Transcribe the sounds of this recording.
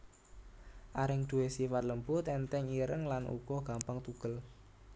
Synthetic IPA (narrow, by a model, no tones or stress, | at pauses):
ʔaɾɪŋd̪̥ṳwesifat̪ləmbʊt̪ɛnt̪ɛŋiɾəŋlanʔṵɡ̥ɔɡ̥a̤mpəŋt̪uɡ̥əl